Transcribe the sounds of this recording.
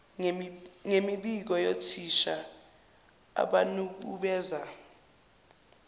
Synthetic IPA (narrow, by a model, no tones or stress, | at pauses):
ŋemiɓik̬ɔjotʰiʃa | a̰ɓanuk̬ṵɓɛːza